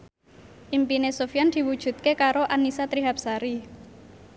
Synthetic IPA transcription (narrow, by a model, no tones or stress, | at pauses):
ʔimpinesofijand̪̥i̤wud̥ʒ̥ṳt̪̚kekaɾoʔanisat̪ɾiɦap̚saɾi